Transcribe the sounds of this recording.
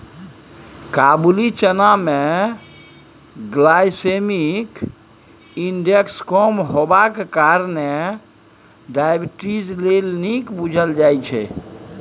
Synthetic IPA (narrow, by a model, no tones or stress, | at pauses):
kabulit͡ʃəname | ɡlajsemik | inɖekskɔmɦobakekaɾne | ɖajbʈid͡ʒlelnikbud͡ʒʱəld͡ʒajt͡ʃʰɛ̰